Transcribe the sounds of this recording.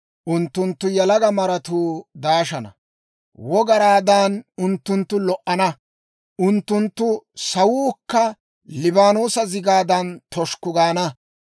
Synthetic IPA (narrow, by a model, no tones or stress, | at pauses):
ʔʊnt̪ːʊnt̪ːʊjɛlɐɡɐmɐɾɐt̪uːd̪aːʃɐnɐ̰ | wɔɡɐɾaːd̪anʊnt̪ːʊnt̪ːʊlɔʔɐnɐ | ʔʊnt̪ːʊnt̪ːʊsɐwuːkːɐ | lɪbaːnuːsɐzɪɡaːd̪ɐnt̪ɔʃkʊɡaːnɐ